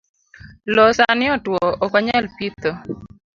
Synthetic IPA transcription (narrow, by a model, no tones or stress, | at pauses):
lɔsanɪɔtwɔɔkɔɲɛlpit̪o